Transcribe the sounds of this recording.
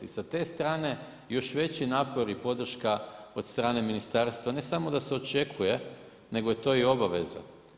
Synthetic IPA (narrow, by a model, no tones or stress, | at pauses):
isat̪e̞ːst̪ɾaːne̞ | jo̞ʃʋe̞t͡ɕinaːpo̞ɾipo̞d̪r̩ʃkao̞d̪st̪ɾaːne̞minist̪aːɾst̪ʋane̞samo̞d̪ase̞o̞t͡ʃe̞kʰuje̞ | ne̞ɡoje̞t̪o̞ːio̞baʋe̞̰za̰